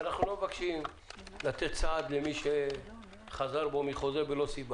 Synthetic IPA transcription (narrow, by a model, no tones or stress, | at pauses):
anaχnulo̞mevakʃim | lat̪et̪̚t͡saːd̪lemiʃe | χazaʁbo̞miχo̞zebelo̞siba